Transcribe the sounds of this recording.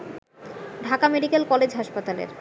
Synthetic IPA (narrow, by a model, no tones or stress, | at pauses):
ɖʱakameɖikelkɔled͡ʑɦaʃpat̪alḛɾ